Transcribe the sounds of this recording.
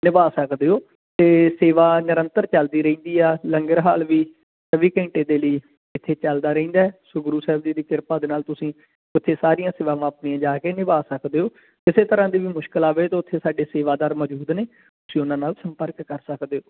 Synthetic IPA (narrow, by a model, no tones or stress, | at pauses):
nɪbaːsəkd̪eːoː | t̪eːseːʋaːnɪɾə̃nt̪əɾt͡ʃəld̪iːɾəĩːnd̪iːɛːləŋɡəɾɦaːlʋiː | səʋiːkə̃ɳʈeːd̪eːləiː | ɪt̪ʰːeːt͡ʃəld̪aːɾə̃ĩːnd̪aːɛːsoɡɾuːsɛːbd͡ʒiːd̪iːkɪɾpaːd̪eːnaːlt̪ʊsĩː | ʊt̪ʰːeːsaːɾijãːseːʋãːʋãːəpnijãːd͡ʒaːkeːnɪbaːsəkd̪eːoː | kɪseːt̪əɾãːd̪iːʋiːmʊʃkəlaːʋeːt̪eːʊt̪ʰːeːsaːɖeːseːʋaːd̪aːɾməd͡ʒuːd̪neː | t̪ʊsĩːʊnãːnaːlsəmpəɾkːəɾsəkd̪eːoː